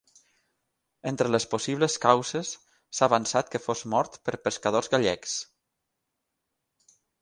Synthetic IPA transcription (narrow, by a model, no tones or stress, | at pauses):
ent̪ɾələsposiβləskawzesː | aːβansat̪kəfozmɔɾt̪pəɾpəskað̞ozɣaʎɛks